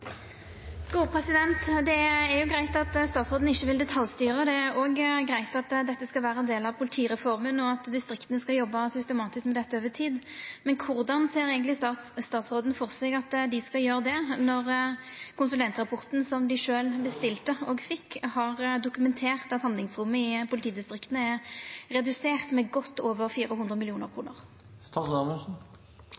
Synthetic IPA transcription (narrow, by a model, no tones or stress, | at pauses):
ɡ̥uːəpʰɾɛsɪd̪ɛnt̪d̪ɛæɾjʊɡʁæɪt̪ɑt̪st̪ɑːt̪sʁoːd̪n̩ɪçːəʋɪld̪ɛt̪ʰɑljst̪yːʁəd̪ɛæɾoːɡɡɾæɪt̪ɑt̪d̪ɛt̪ːəskɑlʋæːɾəɛnd̪eːlɑʋpʰʊlɪt̪ʰiːɾɛfɔʁmənɔɑt̪d̪ɪst̪ɾɪkt̪ənəskɑjɔbːɑsʏst̪ɛmɑːt̪ɪskmɛd̪ɛt̪ːəoːʋət̪ʰiːd̪mɛnkʰʊʁd̪ɑnseːɾɛɪɡənlɪst̪ɑːt̪sʁoːd̪nəfɔʁsɛɡɑt̪d̪ɪskɑljøːɾəd̪ɛnɔʁkʰʊnsʉlɛnt̪ʁɑpʰɔʁt̪n̩sɔmd̪ɪʂøːlbəst̪ɪlt̪əɔɡfɪkːhɑʁd̪ʊkʉmɛnt̪ʰeːʁt̪ɑt̪hɑnd̪lɪŋsɾʊmːəɪpʰʊlɪt̪ʰiːd̪ɪst̪ʁɪkt̪ənəɛʁʁɛd̪ʉseːʁt̪mɛɡɔt̪ːoːʋəɾfiːɾəhʊnd̪ʁəmɪlɪuːnəɾkʰʁuːnə̰ʁ | st̪ɑsnɑməsn̩